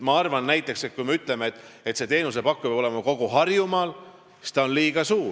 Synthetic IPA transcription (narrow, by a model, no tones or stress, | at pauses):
mɑɑrvɑnːæjt̪ˑːe̞kset̪̚kujmeyt̪ːˑle̞meet̪ːˑet̪se̞t̪e̞ːnus̬e̞pɑkːupjɑbo̞lemɑko̞ɡ̥uɦɑrjumɑːl | si̥t̪ɑonliːɡ̥ɑsuːɾ